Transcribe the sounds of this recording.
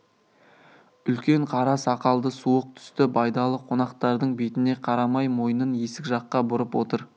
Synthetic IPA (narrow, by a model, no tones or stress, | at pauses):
ʏlkʲe̞ɴqʰɑɾɑsɑqɑlˠd̪əsuəq̚t̪ʰʏ̥st̪ɪbɑjd̪ɑlˠəqʰo̞nɑqt̪ɑɾd̪əɴbet̪ɪne̞qʰɑɾɑmɑjmo̞jənəne̞sɪkʲʒɑqːɑbʊɾəpwo̞t̪əɾ